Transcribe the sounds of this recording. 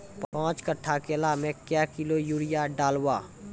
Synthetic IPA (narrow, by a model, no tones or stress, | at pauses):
pãːt͡ʃkəʈʰːakeəlaːmẽkjaːkɪlojuːɽɪjaɖaːlwaː